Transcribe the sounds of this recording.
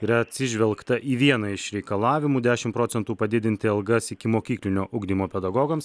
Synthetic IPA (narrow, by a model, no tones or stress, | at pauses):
iːɾɐɐt̪ʲsʲɪʒʲʋʲɛlˠkt̪ɐʔiːʋʲiɛnɐɪʃɾʲɛɪkɐlˠɑːʋʲɪmuːd̪ʲæːʃʲɪmpɾoːt̪sʲɛnt̪uːpɐd̪ʲɪd̪ʲɪnʲt̪ʲɪɐlˠɡɐsɪkʲɪmoːkʲiːklʲɪnʲoːʔʊɡd̪ʲimoːpʲɛd̪ɐɡoːɡɐms